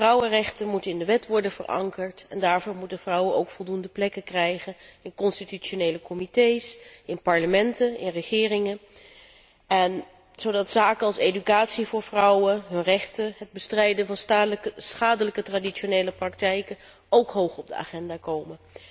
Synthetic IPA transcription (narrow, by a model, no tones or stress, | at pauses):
vrʌwərɛχtənmutənɪndəʋɛtʋɔɹdənvə̰rʔɑ̰ŋkəɹtɛndaːɹvʊːɹmutənv̥rʌwəno̰wkfɔlˠdundəplɛkəkrɛjχənɪnkɔnstityt͡ʃonejləkɔmitejsɪnpɑɹləmɛntənɪ̰nrəχɪːrɪŋən | ɛn | z̥owdɑtsaːkənɑlˠsejdykaːtsivʊːɹvrʌwənɦɵnrɛχtəɦəd̚bəstrɛjdənvɑnsχaːdələkətraːdionejləprɑk̚tɛjkə | owkɦowχɔb̚dəa̰ːχɛndaːkowmən